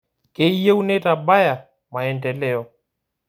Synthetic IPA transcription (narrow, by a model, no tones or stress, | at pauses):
kɛijɛunɛtabaja | maɛndɛlɛɔ